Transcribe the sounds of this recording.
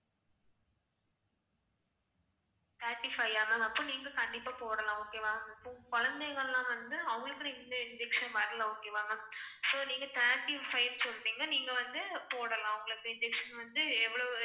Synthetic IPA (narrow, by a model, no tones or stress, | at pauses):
t̪aːɾʈːɪfɐɪaːmɐɐpːõːniːŋɡɐkɐɳɖɪpːaːpoːɾɐlãːoːkeːʋaːɐɪpːõːkɔɻɐnd̪eɪɣɐɭlãːʋɐnd̪ɯɐʋʊŋɡɐɭɯkːɯniɐɪnd͡ʒɛkʂɐnʋɐɾɐlɐoːkeːʋaːŋɐsoːniːŋɡɐt̪aːʈːɪfɐɪʋsɔlːɾiːŋɡɐniːŋɡɐʋɐnd̪ɯpoːɽɐlãːɐʊŋɡɐɭɯkːɯɪnd͡ʒɛkʂɐnʋɐnd̪ɯɛʋːɐɭo